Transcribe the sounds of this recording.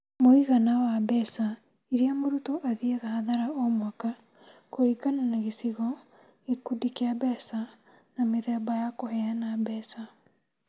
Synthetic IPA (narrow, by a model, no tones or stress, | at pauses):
moiɣanawabɛsa | iɾiamoɾutɔʔaðiɛɣahaðaɾaomwaka | koɾiɡananaɣesiɣɔ | ekudikeabɛsa | nameðɛbajakohɛanabɛsa